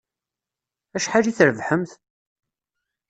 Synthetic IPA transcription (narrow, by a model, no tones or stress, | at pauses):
æʃħaliθəɾəvħəmθ